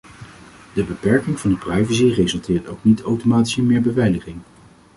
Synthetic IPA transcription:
dəbəpɛɹkɪŋvɑndəprɑjvəsirejzɵlˠtɪːɹtowknitʰowtomaːti̥səmɪːɹbəvɛjləχɪŋ

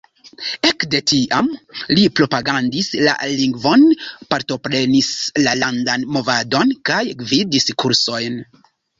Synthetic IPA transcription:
e̞kde̞tiʔamlipɾo̞paɡandisla̰liŋɡvo̞npaɾto̞pɾe̞nislalandanmo̞vado̞nkajɡvidiskuɾso̞jn

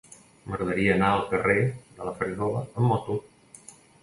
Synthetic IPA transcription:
məɣɾəðəɾiəːnaəlˠkəreðələfəɾiɣɔləəmːɔt̪u

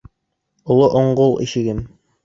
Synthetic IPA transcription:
ŏlˠoʔoɴɢolˠḭʃɘ̆ɡɘm

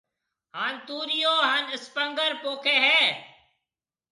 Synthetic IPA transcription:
ɦaːnt̪uːɾijoːɦaːnɪspəŋɡəɾpoːkʰeːɦɛː

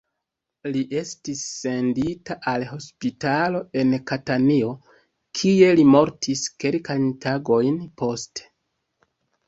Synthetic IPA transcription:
liʔe̞stisːe̞nditaʔalɦo̞spitalo̞e̞nkatanio̞ | kʰie̞limo̞ɾtʰiske̞lkajntaɡo̞jnpo̞ste̥

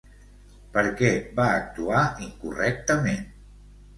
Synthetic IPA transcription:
pəɾkɛbaːk̚t̪uaiŋkurɛk̚t̪əmen

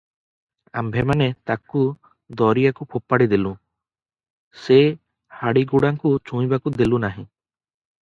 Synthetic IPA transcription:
ambʱemanet̪aku | d̪ɔɾijakupʰopːaɽid̪ilũ | se | haɽiɡuɽaŋkut͡ʃũĩbakud̪elũnaɦĩ

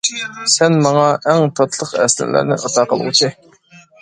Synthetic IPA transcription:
sɛnmɑŋɑɛŋt̪ʰɑt̪ʰlˠəqɛ̰slɪ̰læ̰ɾnɪ̰ʔɑt̪ʰɑːqəl̰ˠʁʊ̰t͡ʃʰi

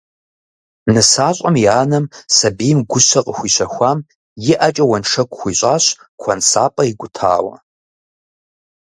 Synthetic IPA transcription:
nɨsaːɕʼɐmjaːnɐmsɐbiːmɡʷʊɕɐqʼəxʷiːɕɐxʷaːm | jɪʔɐt͡ʃʼɐwɐnʂɐkʷʰʼʊxʷiːɕʼaːɕ | kʷʰɐnsaːpʼɐiɡʷʊtʰa̰ːwɐ̰

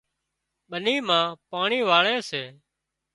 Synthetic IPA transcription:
ɓəniːmãːpaːɳiːʋaːɭeːseː

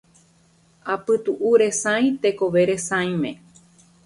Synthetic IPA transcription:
apɨt̪uʔuɾe̞sãj̃t̪e̞koʋe̞ɾe̞sãj̃mẽ

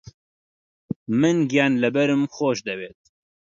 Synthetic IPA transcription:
mɨnɡijaːnlɨbɛɾɨmxoːʃd̪ɛweːt̪̚

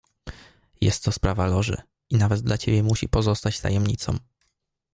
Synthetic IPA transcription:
jɛst̪ʰːɔspɾavalɔʐɘ̰ | inavɛd̪̚d̪lat͡ɕebʲjɛmuɕḭpɔzɔst̪at͡ɕt̪ʰa̰jɛmɲit̪sɔ̰̃w̃

